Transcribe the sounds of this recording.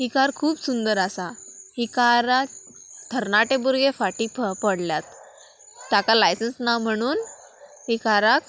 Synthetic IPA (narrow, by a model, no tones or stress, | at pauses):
ɦikaɾkʰuːpsund̪əɾasahikaɾa | t̪ʰəɾnaʈebuɾɡefaʈiːppəɽljat̪ | t̪ːjakalajsənsnawm̤əɽ̃uːn | hikaɾak